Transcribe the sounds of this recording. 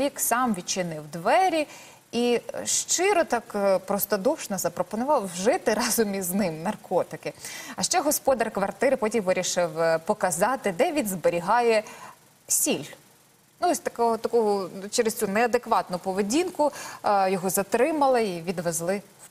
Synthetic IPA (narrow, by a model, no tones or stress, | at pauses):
iksɑmʋʲit͡ʃɪnɪwd̪ʋɛɾʲi | iʃt͡ʃɪɾɔt̪ɑkpɾɔst̪ɔd̪ɔwʃnɐzɐpɾɔpɔnʊʋɑwʒɪt̪ɪɾɑzʊmʲiznɪmnɐrkʰɔt̪ɪkɪɐʃt͡ʃɛɦɔspɔd̪ɐrkʋɐrt̪ɪɾpɔtʲimʋɪɾʲiʃɪwpɔkɐzɑt̪ɪd̪ɛʋʲinzbeɾʲiɦɑjɛ | sʲilʲ | nuɔsʲt̪ɐkɔɔt̪ɐkɔɦʊt͡ʃɛɾest̪t͡sʲunɛɐd̪ekʋɑt̪nʊpɔʋedʲinkʊjɔɦɔzɐt̪ɾɪmɐlˠɪiʋʲid̪ʋezlˠɪ | w